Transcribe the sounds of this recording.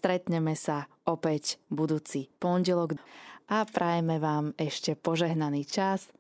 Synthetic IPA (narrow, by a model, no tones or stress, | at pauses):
st̪ɾɛt̪ɲɛmɛsaɔpɛcbud̪uːt͡sipɔnɟɛlɔɡʔapɾʔajɛmɛʋaːmɛʃcɛpɔʒɛɦnaniːt͡ʃas